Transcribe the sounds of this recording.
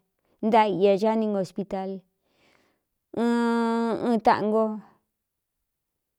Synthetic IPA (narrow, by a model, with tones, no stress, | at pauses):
nd̪a˧i˧a˧ʒa˦nĩ˧ŋɡo˧˨spi˧t̪a˧l | ɨ̃˦ɨ̃˦˧t̪a̰˧ʔŋɡo˦